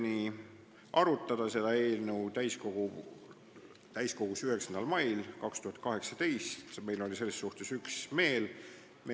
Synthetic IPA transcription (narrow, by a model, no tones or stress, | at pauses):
ni | ʔɑɾut̪ːˑɑd̪̥ɑse̞d̪̥ɑe̞ːlnəwt̪æjsko̞ɡ̥u | t̪æjsko̞ɡ̥usyɦe̞ksɑnd̪ɑlmɑjlkɑkst̪uhɑt̪̚kɑɦe̞ksɑt̪e̞jst̪me̞jlo̞lʲise̞lːesːuht̪e̞syksme̞ːl | me